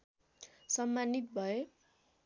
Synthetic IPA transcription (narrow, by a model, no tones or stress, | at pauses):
sʌmːanit̪̚bʱʌe